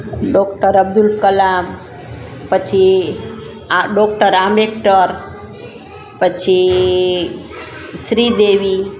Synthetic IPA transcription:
ɖɔkʈəɾəb̚d̪ulkəlam | pət͡ʃʰi | aɖok̚ʈəɾamek̚ʈəɾ | pət͡ʃʰi | sɾid̪eʋi

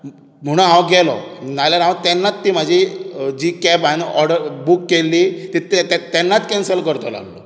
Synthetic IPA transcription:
m̤əɽ̃ũɦãwɡɛlɔ̰nalaɾɦãwt̪ɛnːat̪ːiːm̤ad͡ʑʱid͡ʑiːkɛbanɔɾɽəɾbukːelːiːt̪it̪t̪t̪ɛnːat̪kɛnsəlkəɾt̪ɔla̰ɡlɔ̰

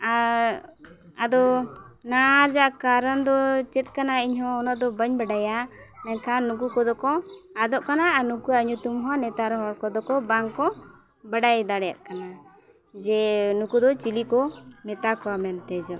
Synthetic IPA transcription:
a | ad̪ɔnaɾd͡ʒaʔkaɾənd̪ɔt͡ʃɛt̪̚ˀkanaiɲɦɔ̃ːnad̪ɔbəɲbaɖajanakanukukɔd̪ɔkɔad̪ɔʔkananukuaɲut̪umɦɔ̃nɛt̪aɾɔɦɔɽkɔd̪ɔkɔbaŋkɔ | baɖajd̪aɽɛja̰ʔkana | d͡ʒɛnukud̪ɔt͡ʃilikɔmɛt̪akɔamɛnt̪ɛd͡ʒɔ

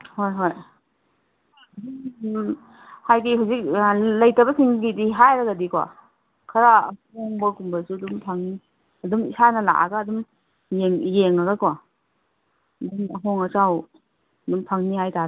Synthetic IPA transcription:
hojɦoj | ɐdu | hajɡiɦawzik̚lɐjtɐbɐsiŋɡidiɦajɾɐɡɐdikwa̰ | kʰɐɾaːhoŋbɐkumbɐsuɐdumpʰaŋni | ɐdumisanɐla̰ʔa̰ɡɐːdum | jeŋjeŋaɡɐkwa | dumɐɦoŋɐsaw | dumpʰaŋniɦajta

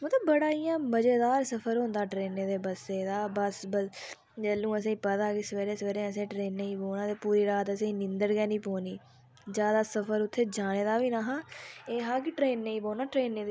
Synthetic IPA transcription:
mət̪ləbːəɽaːijãːbəd͡ʒeːd̪aːɾsəpʰəɾɦõːnd̪aːʈɾeːnːeːd̪eːbəseːd̪aːbəsbə | d͡ʒəːlːũːəs̬ẽːiːpət̪aːkɪsəʋeːɾeːsʋeːɾẽːəs̬ẽːʈɾeːnːeĩːboːnãːt̪eːpuːɾiːɾaːt̪əsẽːĩnɪ̃nd̪əɽɡɛːnĩːpoːniː | d͡ʒjaːd̪aːsəpʰəɾʊt̪ʰːeːd͡ʒaːɽeːd̪aːʋiːnaːɦãːeːɦãːkɪʈɾeːnːeĩːboːnaːʈɾeːnːeːd̪

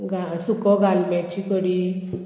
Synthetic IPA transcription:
ɡasukɔɡalmat͡ɕikɔɽi

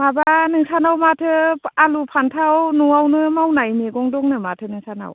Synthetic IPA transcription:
mabanɯŋsanawmatʰɯalupʰantʰawnuawnɯmawnajmeɡɔŋdɔŋnɯmatʰɯnɯŋsana̰w

